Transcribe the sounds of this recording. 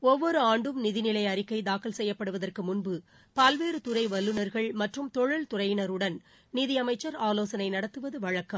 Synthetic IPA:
ɔʋːɔɾɯaːɳɖɯmnɪðɪnɪlɐɪɐɾɪkːɐɪd̪aːkɪlsɛjːɐpːɐɽɯʋɐðɐrkɯmʊnbɯ | pɐlʋeːɾɯt̪ʊrɐɪʋɐlːɯnɐɾɣɐɭmɐʈrɯmt̪ɔɻɯlt̪ʊrɐjɪnɐɾɯɽɐn | nɪðɪɐmɐɪt͡ʃːɐɾaːloːsɐnɐɪnɐɽɐt̪ːɯʋɐðɯʋɐɻɐkːɐm

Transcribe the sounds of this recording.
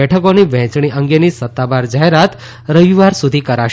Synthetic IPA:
ɛʈʰəkoniʋɛ̃t͡ʃɳiʔə̃ŋɡenisət̪ːabaɾd͡ʒaɦeɾat̪ | ɾəʋiʋaɾsud̪ʱikəɾaʃ

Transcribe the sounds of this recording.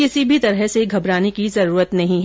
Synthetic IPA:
kɪsibʱit̪ɐɾəɦseɡʱɐbɾaːnekizɐɾuːɾət̪nɐɦĩɦ

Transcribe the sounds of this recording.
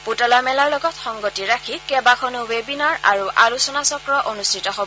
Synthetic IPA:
putɔlamɛlaɹlɔɡɔtxɔŋɡotiɹakʰikɛbakʰɔnuwebinaɹa̰ɹuʔalusɔnasɔkɹɔʔonustʰitɔɦobɔ

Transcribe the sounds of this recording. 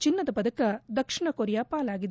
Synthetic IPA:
t͡ʃinːɐd̪ɐbɐd̪ʱɐkɐd̪ɐkʂiɳɐkoɾjaːpaːlaːɡid̪

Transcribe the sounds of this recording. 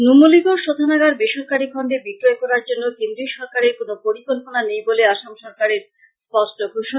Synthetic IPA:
numuliɡoɾʃod̪ʱanaɡaɾbeʃoɾkaɾikʰɔɳɖebikɾɔekɔɾaɾd͡ʑonːokend̪ɾiʃɔɾkaɾeɾkonopoɾikolponanejboleaʃamʃɔɾkaɾeɾ | spɔsʈoɡʱuʃo

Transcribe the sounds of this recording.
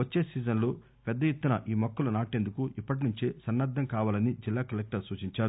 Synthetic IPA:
ʋɐt͡ʃːeːsiːd͡ʒɐnloː | pɛd̪ːɐjet̪ːunɐʔiːmɐkːulɐnaːʈeːnd̪ukuʔipːɐʈ̬inuɲt͡ʃisɐnːad̪ʱːɐŋkaːʋaːlɐnid͡ʒilːaːkɐlek̚ʈɐɾsuːt͡ʃiɲt͡ʃaːɾu

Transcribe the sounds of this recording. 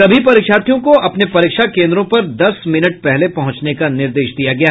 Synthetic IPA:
ɐbʱipɐɾiːkʃaːt̪ʰjõkoʔɐpnepɐɾɪːkʃakẽːnd̪ɾõpɐɾd̪ɐsmɪnəʈ̚pɛɦlepɐɦʊ̃t͡ʃnekanɪɾd̪eːʃd̪ijaɡɐja

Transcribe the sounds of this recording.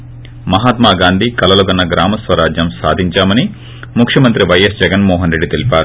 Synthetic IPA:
mɐɦaːt̪maːɡaːnd̪ʱikɐlɐlɐɡɐnːɐɡɾaːmɐsʋɐɾaːd͡ʒjɐmsaːd̪ʱiɲt͡ʃaːmɐni | mukʰʂjɐmɐnt̪ɾiʋɐjesd͡ʒɛɡɐnmɔːɦɐnɾe̞ɖːit̪elipaːɾu

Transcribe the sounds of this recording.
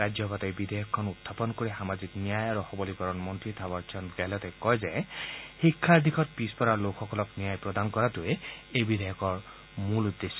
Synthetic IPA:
ad͡ʒjɔpat̪ɔjbid̪ʱejɔkʰːɔnut̪ʰːapɔnkoɾixamaziknijajaɾuxɔbɔlikɔɾɔnmɔnt̪ɹit̪ʰabɔt͡ʃʰɔnɡɛlɔt̪ɛkɔjzehikʰːaɹd̪ikʰɔt̪̚pispɔɾalokʰɔkɔlɔknijajpɹɔd̪ankɔɾat̪ueejbid̪ʱejɔkɔɹ | mulud̪ːesɔ

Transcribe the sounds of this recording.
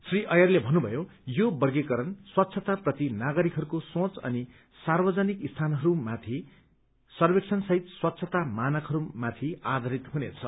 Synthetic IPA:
sriʔʌjʌrlebʱʌnːubʱʌjojobʌrɡekʌɾʌnswʌt̪ːsʰʌt̪aprʌt̪inaɡʌɾikɦʌɾukosõt͡sʌ̰ni | sarbʌd͡zʌnikist̪ʰanɦʌɾumat̪ʰi | sʌrbek̚sʰʌnsʌɦit̪swʌt̪ːsʰʌt̪amanʌkɦʌɾumat̪ʰiad̪ʱʌɾit̪ɦunet͡sʰʌ

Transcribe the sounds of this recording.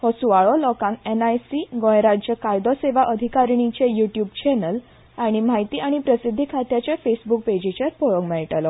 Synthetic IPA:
hɔsuʋaɭɔlɔkãŋkenajsiɡõjɾad͡ʑjəkajd̪ɔseʋaʔəd̪ʱikaɾɳit͡ɕejuʈjuːbt͡ɕɛnəl | aɽ̃im̤ajt̪iːʔaɽ̃ipɾəsid̪ʱːikʰat̪jat͡ɕjafesbuk̚ped͡ʑit͡ɕəɾpoɭɔɡmɛɭʈəlɔ

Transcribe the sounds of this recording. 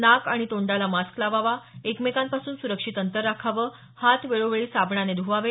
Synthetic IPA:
nakaɽ̃it̪oɳɖalamasklaʋaʋaekmekampasuːnsuɾəkʂit̪ənt̪əɾːakʰaʋəː | hat̪ʋeɭoʋeɭiːsabɳaned̪ʱuʋaʋe

